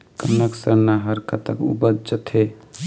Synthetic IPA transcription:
kənəksəɾnaɦəɾkət̪əkṵbəd͡ʒət̪ʰɦe

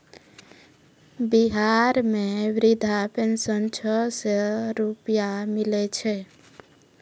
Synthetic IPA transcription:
biɦaɾmeʋɾid̪ʱapensənt͡ʃʰɔseɾupjamilɛt͡ʃʰɛ

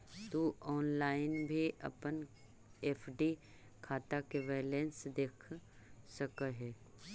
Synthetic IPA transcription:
t̪uɔːnlaːɪnbʱiʔɐ̰pən | eːpʰɖi | kʰaːt̪akeʋɛːlẽnsd̪eːkʰ | səkəɦɛː

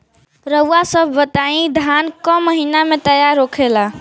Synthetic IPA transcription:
ɾəʊasəbʱːət̪aĩd̪ʱankɔ̃məɦinamet̪əjaɾokʰela

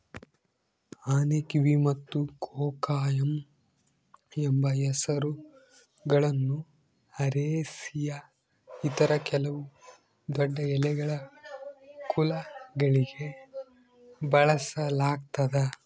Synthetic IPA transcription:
aːnekiʋimɐt̪ːukʰɔːkaːjɐm | ɛmbɐjɛsɐɾu | ɡɐɭɐnːu | ɐɾeːsijɐ | it̪ɐɾɐkɛlɐʋu | d̪ɔɖːɐɛlɛɡɐɭɐ | kʰulɐɡɐɭiɡe̞ | bɐɭɐsɐlaːɡt̪ɐd̪ɐ

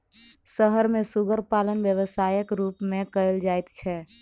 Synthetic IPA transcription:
səɦəɾmẽsuɡəɾpalənʋjəʋəsaːjəkɾuːpmẽkəɪld͡ʒaːjt̪t͡ʃʰɛː

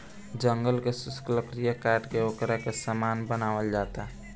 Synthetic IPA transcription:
d͡ʒəŋɡəlkesʊskləkɾijəkaːɾʈkeoːkɾakesəmaːnbənaːʋəld͡ʒaːt̪aɦ

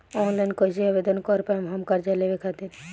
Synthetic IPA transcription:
ɔnlajnkɔid͡ʒeabed̪ɔnkɔɾpajmɦɔmkaɾd͡ʒalebekʰat̪iɾ

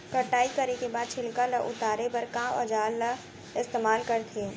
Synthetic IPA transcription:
kəʈaːikɐɾekebaːd̪̚t͡ʃʰɪlkaləʔʊ̰t̪aːɾepɐɾkãːɐd͡ʒaːlɐ | ɪst̪eːmaːlkɐɾt̪ʰeː

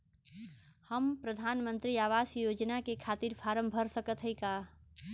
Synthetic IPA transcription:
həmpɾəd̪ʱaːnmə̃nt̪ɾiaːʋaːsjoːd͡ʒnakekʰaːt̪iːɾpʰaːɾə̃mbʱəɾsəkət̪ɦəikaː

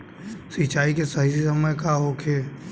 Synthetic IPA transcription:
sit͡ʃaːikesɐɦisisəməjkaɦokʰe

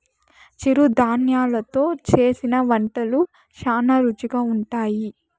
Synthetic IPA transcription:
t͡ʃiɾud̪ʱaːnjaːlɐt̪o̞ːt͡ʃe̞ːsinɐʋɐɳʈɐlu | ʃaːnɐɾut͡ʃiɡaːuɳʈaːji

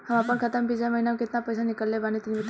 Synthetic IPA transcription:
hamapəɳkʰət̪əmbid͡ʑaməɦinamkit̪napəjsanikəlːebanit̪iniʋit̪

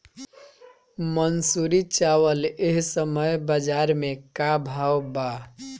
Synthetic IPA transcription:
mənsuɾit͡ʃawəleɦsəməjbəd͡ʒaɾmekabʱawba

